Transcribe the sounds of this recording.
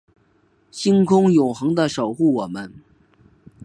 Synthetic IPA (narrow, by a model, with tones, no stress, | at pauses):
ɕi˥ŋkʰʊ˥ŋjʊ˨˩ŋxɤ˧˥ŋd̪ə˧ʂo˨˩ʊxu˥˩wɔ˨˩mə˦n